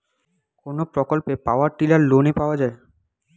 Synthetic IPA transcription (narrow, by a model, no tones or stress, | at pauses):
konopɾokolpepaoaɾʈilaɾlonepaoad͡ʑae